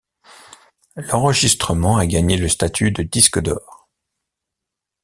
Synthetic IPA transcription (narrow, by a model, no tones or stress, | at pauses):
lɑ̃ʁəʒist̪χəmɑ̃aɡaɲeləst̪at̪ʰyd̪əd̪iskəd̪ɔːʁ